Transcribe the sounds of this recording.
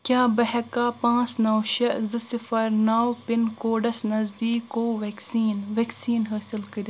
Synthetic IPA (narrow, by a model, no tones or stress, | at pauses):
kʲjaːbɐɦɐkaːpãːt͡snɐwʃɐʔzɨsɪfɐɾnɐwpɪnkoːɖɐsnɐzd̪iːkːoːʋeːksiːnʋeksiːnɦaːsɪlkɐɾʲ